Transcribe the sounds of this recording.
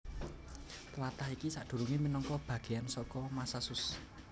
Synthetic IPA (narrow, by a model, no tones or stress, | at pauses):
t̪əlat̪ahikisaʔd̪̥ṳɾuŋiminɔŋkɔb̥ä̤ɡ̥ejansɔkɔmasasʊs